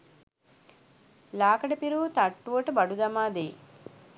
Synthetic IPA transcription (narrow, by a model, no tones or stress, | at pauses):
laːkɐɽɐpiɾuːt̪ɐʈːʋoʈɐbɐɽud̪ɐmaːd̪eː